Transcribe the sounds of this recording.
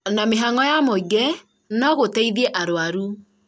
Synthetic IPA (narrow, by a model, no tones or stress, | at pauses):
nameɦaŋɔjamoiɡɛ | nɔɣotɛiðiɛʔaɾoaɾu